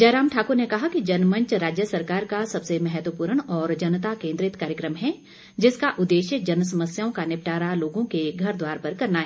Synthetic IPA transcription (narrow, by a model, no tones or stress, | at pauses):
d͡ʒɐːɾaːmʈʰaːkʊɾnekɐɦakid͡ʒɐnmə̃ɲt͡ʃɾaːd͡ʒjəsɐɾkaːɾkasɐbsemɛɦɛt̪wəpuːɾəɽ̃ɔːɾd͡ʒɐnət̪akẽːnd̪ɾɪt̪kaːɾjəkɾəmɦɛ | d͡ʒɪskaʔʊd̪ːeːʃjəd͡ʒɐnəs̬ɐməsjaːõkanɪp̚ʈaːɾaloːɡõkeɡʱɐɾd̪waːɾpɐɾkɐɾnaɦɛː